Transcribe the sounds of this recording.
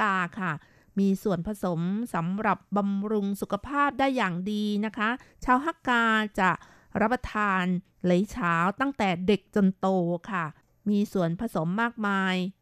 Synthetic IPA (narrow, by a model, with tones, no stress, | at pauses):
aː˧kʰa˥˩ | miː˧su˨˩ənpʰa˧so˩˦msa˩˦mɾa˨˩p̚ba˧mɾu˧ŋsu˨˩kʰa˧pʰaː˥˩p̚daː˥˩jːaː˨˩ŋdiː˧na˦˥kʰa˦˥t͡ɕʰaː˦˥wɦa˥˩kaː˧t͡ɕa˨˩ | ɾa˦˥pːa˧t̪ʰaː˧n | le˩˦jt͡ɕʰaː˦˥wt̪a˥˩ŋt̪ɛː˨˩de˨˩k̚t͡ɕo˧nt̪oː˧kʰa˥˩ | miː˧su˨˩ənpʰa˧so˩˦mːaː˥˩k̚maː˧j